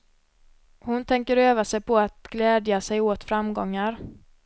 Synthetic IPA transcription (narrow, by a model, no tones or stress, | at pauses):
hʊnt̪ʰɛŋkəɾøːvasɛjpɔat̪ɡ̥lɛːd̪jasɛjoːt̪fɾamɡɔŋːaɾ